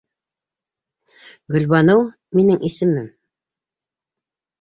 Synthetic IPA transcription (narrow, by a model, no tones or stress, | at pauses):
ɡɵ̆lβɑnɤw | minɘŋʔisɘ̆mɘm